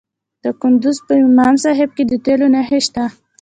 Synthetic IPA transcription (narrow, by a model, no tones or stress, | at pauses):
d̪̥əkʊnd̪ʊzpəɪmɑmsɑɦɪb̚ked̪ət̪elonaɦɪʃt̪a